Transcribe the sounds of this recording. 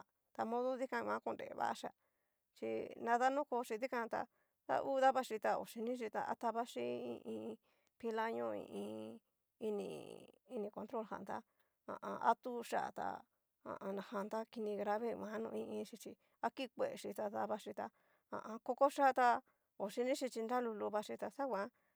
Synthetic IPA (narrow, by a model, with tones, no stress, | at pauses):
t̪a˧mõ˦ðo˦ði˦kã˧mã˦ko˧˨ndḛ˨βa̰˦ʔʂa˧˨ | t͡ʃi˧nã˧ða˦nũ˦ko˧ʂi˧ði˦kã˧t̪a̰˧ | ða̰˧ʔuː˦ða˦βa˧ʂi˧t̪a˧o̰˨ʂi˧nĩ˦ʂ̬i˧t̪a̰˧ʔa̰˦t̪a˧βa˦ʂi˦ḭ̃˧ʔĩ˧ | pi˧la˦ɲõ˦ḭ̃˧ʔĩ˧ | i˧nḭ̃˧˨i˧nĩ˧kõ˧nt̪ɾo˦lha̰˨nd̪a˦ | ã̰˨ʔã̰˧a̰˦t̪u˦ʂa̰˦˨t̪a̰˧ | ã̰˨ʔã˧nã˧ha˧nd̪a˦ki˧nĩ˧ɣɾa˧βe˦mã˨˦nṵ̃˧ĩ˧ʔĩ˧ʂi˧t͡ʃi˧ | a˦ki˦kʷe˨e˨ʂi˧t̪a˧ða˧βa˧ʂi˧t̪a˧ | ã̰˨ʔã˧ko˦ko˦ʂa˦t̪a˧ | o˨ʂi˧nĩ˦ʂi˧t͡ʃi˧nd̪a˦lu˧lu˧βa˧ʂi˧t̪a˧sa˦wʷã˧˦